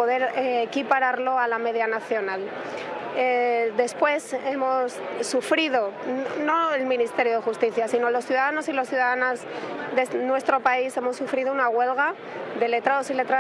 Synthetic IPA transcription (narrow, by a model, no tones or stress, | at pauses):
oðe̞ɾeːkipaɾaɾlo̞alame̞ð̞janaθjo̞nal | eðe̞spwe̞se̞mo̞sːufɾiðo̞no̞elmĩnist̪e̞ɾjo̞ð̞exust̪iθjasino̞lo̞sθjuðaðano̞silo̞sθjuðaðanazðenwe̞st̪ɾo̞paise̞mo̞sːufɾiðounaɣwe̞lɣa | ðe̞le̞t̪ɾaðo̞sile̞t̪ɾa